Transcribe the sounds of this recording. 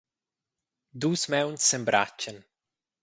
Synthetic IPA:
d̪uːsmɛwnsembɾʔa̰t͡ʃːən

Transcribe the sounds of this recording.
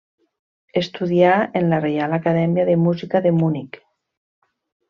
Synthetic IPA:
est̪uðiaenlarealakaðɛmjaðemuzikaðemunik

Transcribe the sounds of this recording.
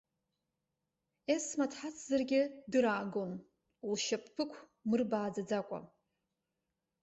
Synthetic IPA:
esmatʰħat͡sʰʼzarɡʲɪdɨɾaːɡon | ulʃapʼʰpʰɨkʷʰ | mɨrbaːd͡zad͡zakʷʼa̰

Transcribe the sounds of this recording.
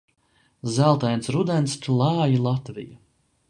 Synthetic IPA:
zælˠt̪ajnsɾud̪ɛnst̪lˠaːjilˠat̪vḭja

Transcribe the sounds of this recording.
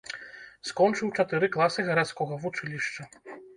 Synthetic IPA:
skɔnt͡ʂɨwt͡ʂat̪ɨɾɨklˠasɨɣɐɾat̪skɔɣɐvut͡ʂɨlʲiʂt͡ʂɐ

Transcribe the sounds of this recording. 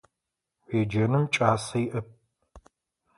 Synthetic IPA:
wʷeːd͡ʒɐnɨmt͡ʃʼaːsɐjiʔɐp̚

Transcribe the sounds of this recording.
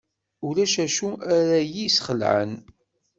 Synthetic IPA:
ulæʃæʃuæɾæjisχəlʕə̰n

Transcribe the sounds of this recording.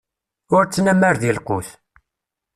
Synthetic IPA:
ʊɾt͡sːnæmːəɾðilqʊθ

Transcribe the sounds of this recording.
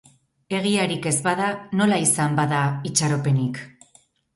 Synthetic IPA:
e̞ɣiaɾike̞zβað̞ano̞laisambaðait͡ʃaɾo̞pe̞nik

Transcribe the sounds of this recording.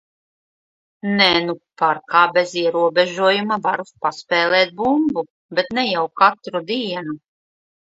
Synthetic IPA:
nɛnupaɾkaːbeziɛɾuɔbeʒuɔjumavaɾupaspɛːlˠɛːt̪̚bumbu | bet̪nɛjawkat̪ɾud̪iːɛnu

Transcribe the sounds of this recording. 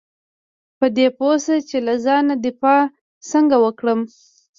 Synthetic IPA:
pəd̪eposat͡ʃelazɑnad̪ɪfɑ | səŋɡawəkɽəm

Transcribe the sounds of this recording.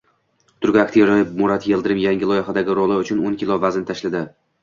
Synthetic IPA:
t̪ʰʊɾɡʲɪakʲt̪ʰeɾajɪmʊɾat̪jelˠd̪ɪɾɪmjaŋʲɪlˠɒjɪχad̪aɡʲɪɾɒlˠaʊt͡ʃʰʊnonkʲɪlˠɒvaznɪt̪ʰaʃlad̪ɪ

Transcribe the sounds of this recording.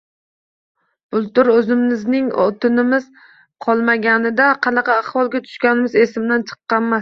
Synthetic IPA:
b̥ʊlˠt̪ʊɾɵzɪmːɪznɪŋɒ̰t̪ʰʊnɪmɪz̥ | qʰɒlˠmaɡʲanɪd̪aqʰɑnɑqʰɑːχvɒlˠɡʲat̪ʰʊ̥ʃkʲanɪmɪze̞sɪmd̪ant͡ʃʰɨ̥qːɑnmas

